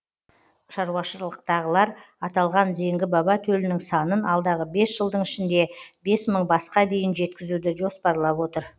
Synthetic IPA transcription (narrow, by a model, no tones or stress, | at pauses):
ʃɑɾwɑʃəɾlˠəq̚t̪ɑʁəlˠɑɾ | ɑt̪ɑlˠʁɑnze̞ŋɡʲɪbɑbɑt̪ʰɵlɪnɪŋsɑnənɑlˠd̪ɑʁəbe̞sʒ̥əlˠd̪əɴɪʃɪnd̪e̞be̞sməɴbɑsqɑd̪e̞jɪnʒe̞t̪̚kʲɪzud̪ɪʒo̞spɑɾlˠɑpwo̞t̪əɾ